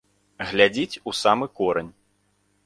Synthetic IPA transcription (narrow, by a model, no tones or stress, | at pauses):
ɣlʲad͡zʲit͡sʲusamɨkɔɾɐnʲ